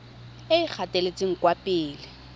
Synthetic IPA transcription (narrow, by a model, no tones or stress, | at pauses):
ɪɪk͡xʰatʼelet͡sʼɪŋ̩kwapʼɪːlɪ